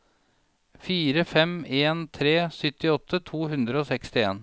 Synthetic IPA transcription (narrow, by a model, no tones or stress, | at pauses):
fiːɾəfɛmeːnt̪ʰɾeːsʏt̪ɪɔt̪ʰːət̪ʰuːɦʉnd̪ɾəoːsɛkst̪ɪḛːn